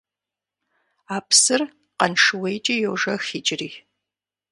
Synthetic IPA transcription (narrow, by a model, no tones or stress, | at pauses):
aːpʰsɨr | qɐnʂɨwejt͡ʃʼijowʐɐxiːt͡ʃʼɪriː